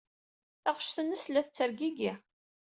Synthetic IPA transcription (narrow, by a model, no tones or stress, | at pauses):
æʁə̥ʃθənːəslːæθt͡sːəɾɡiɡi